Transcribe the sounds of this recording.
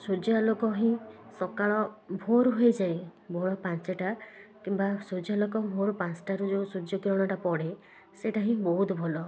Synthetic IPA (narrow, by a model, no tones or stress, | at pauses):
sod͡ʒialokɔɦĩsɔkaɭɔbʱoɾuɦejd͡ʒajbʱoɭɔpant͡ʃeʈakimbasod͡ʒalɔkɔbʱoɾupãnt͡ʃʈaɾud͡ʒosud͡ʒjɔkɾɔɽ̃ɔʈapɔɽe | seʈaɦĩbɔɦut̪ɔbʱɔlɔ